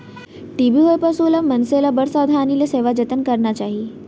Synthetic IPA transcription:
ʈibʱiɦojpasulamənselabəɽsad̪ʱaːnileseʋad͡ʑət̪ənkəɾɳat͡ɕaɦi

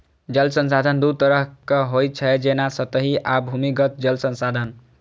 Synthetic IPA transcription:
d͡ʒəlsənsad̪ʱənd̪ut̪əɾəɦkeɦoj̚t͡ʃʰɛd͡ʒenasət̪əɦiʔabʱumikət̪̚d͡ʒəlsə̃nsad̪ʱən

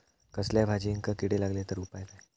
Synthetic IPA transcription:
kəsljabʱad͡ʑiːŋkəkiʈelaɡlet̪əɾupajlae

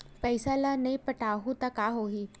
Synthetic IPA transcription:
pəjsalanaipəʈʰaɦut̪akaɦoɦiː

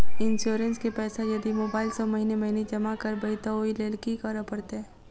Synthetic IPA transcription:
ɪnsuːɾə̃nskepɛːsajɐd̪imoːbaːɪlsomɐɦinemɐɦined͡ʒɐmakɐɾbɐit̪ooileːlkikaɾəpɐɽt̪eɛː

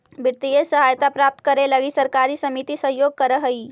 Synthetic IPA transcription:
biɾt̪ijəsəɦajt̪apɾap̚t̪kəɾeləɡisəɾkaɾisəmit̪isəɦjoɡ̚kəɾəɦəi

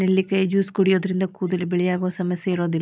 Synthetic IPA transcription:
nelːikːɐjid͡ʑuːskuɽijod̪ɾind̪ɐkuːd̪ilbeɭijaːɣoːsɐmesɐiɾoːd̪i

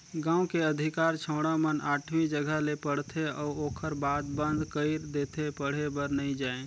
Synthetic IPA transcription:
ɡãːũkeəd̪ʱikaːɾt͡ʃʰə̃ʊɽamənaːʈʰmid͡ʒəɡʱəɦlepəɽ̤t̪ʰeɔuoːkʰəɾbaːd̪̚bə̃nd̪ʱkəɪɾd̪eːt̪ʰepəɽ̤ebəɾnəĩd͡ʒaːẽ

